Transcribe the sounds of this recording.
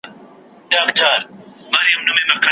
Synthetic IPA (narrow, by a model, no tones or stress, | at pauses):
daːmt͡ʃʰaːɾmaːɾijɐmnʊmẽmɐkʰɐ